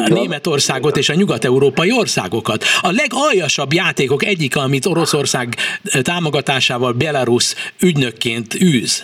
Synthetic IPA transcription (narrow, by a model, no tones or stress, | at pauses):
neːmɛt̪o̞rsaːɡo̞t̪eːʃɒɲuɡɒt̪ɛuɾoːpɒjio̞rsa̰ːɡo̞kɒt̪ɒlɛɡɒjɒʃɒbjaːt̪eːko̞kɛɟːikɛɒmit̪o̞ɾo̞so̞rsaːɡt̪aːmo̞ɡɒt̪aːʃaːvɒlbɛlɒɾusyɟnø̞kːeːnt̪yːz̥